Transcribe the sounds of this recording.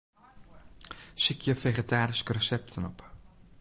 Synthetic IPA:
sikʰjəfeχetaːɾɪskərəsɛp̚tʰənɔp

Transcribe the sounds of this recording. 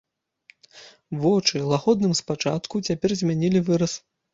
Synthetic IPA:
vɔt͡ʂɨlˠaɣɔd̪̚nɨmspat͡ʂa̰t̪kut͡sʲapʲɛrzʲmʲanʲilʲivɨɾɐs

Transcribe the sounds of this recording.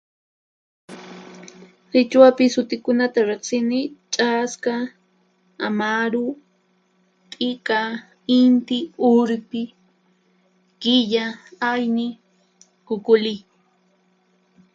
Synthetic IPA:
ɾɪt͡ʃwapɪsʊt̪ɪkʊnat̪aɾeχsɪnɪt͡ʃʼaska | a̰maɾʊ | pʼɪka | ɪnt̪ɪʊɾpɪ | kɪʎaajnɪ | kʊkʊlɪ

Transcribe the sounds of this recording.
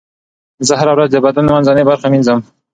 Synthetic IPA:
zəɦaɾawɾazd̪əbad̪anmanzɑnebaɾχaminzəm

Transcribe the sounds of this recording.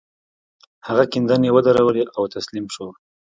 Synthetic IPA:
haɣakɪnd̪anewəd̪aɾawəleʔawt̪aslimʃo

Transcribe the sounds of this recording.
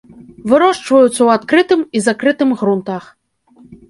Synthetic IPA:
vɨɾɔʂt͡ʂvɐjut̪sːɐwat̪kɾɨt̪ɨmizakɾɨt̪ɨmɣɾunt̪ax

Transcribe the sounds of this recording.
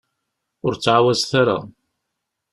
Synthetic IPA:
ʊɾt͡sːʕawæzθaɾa̰

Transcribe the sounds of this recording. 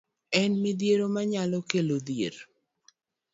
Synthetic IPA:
ɛnmɪd̪jeɾomaɲalɔkelod̪jḛɾ

